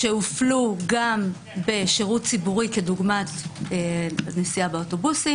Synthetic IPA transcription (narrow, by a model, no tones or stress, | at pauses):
ʃeufluɡam | be̞ʃeʁut̚t͡sibuʁike̞duɡmatenesiabeoto̞busi